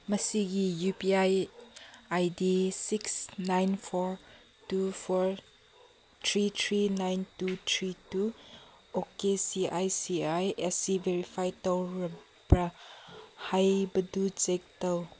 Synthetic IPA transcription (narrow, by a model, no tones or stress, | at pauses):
mɐsiɡijupiaj | ajdisiksnajnfʰɔɾ | tufʰɔɹ | t̪ʰɾit̪ʰɾinajntut̪ʰɾitu | okesiʔajsiajɛsiveɾifajtɐwɾɐ | bɾɐ | hajbɐduzek̚tɐw